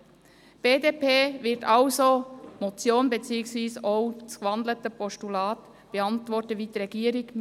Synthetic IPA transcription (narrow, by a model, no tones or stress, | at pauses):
b̥eːdeːpeːvɪɾtɑlzomot͡sjoːnbet͡siːəksviːsoʊ̥skʋɑnd̪lətəpʰɔʃtulɑːt | b̥eɑntvɔɾtəʋiːdiʁɛɡiːəɾɪɡ